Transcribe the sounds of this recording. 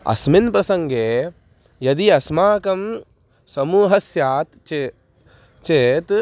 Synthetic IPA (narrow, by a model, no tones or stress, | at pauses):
ɐ̰sminpɾɐsɐŋɡeː | jɐd̪iɐsmaːkɐm | sɐmuːɦɐsjaːt̪t͡ʃe | t͡ʃeːt̪